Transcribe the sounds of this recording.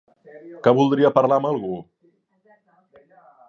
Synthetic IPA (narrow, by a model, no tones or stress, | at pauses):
kaβulˠd̪ɾiəpəɾlaəməlˠɣu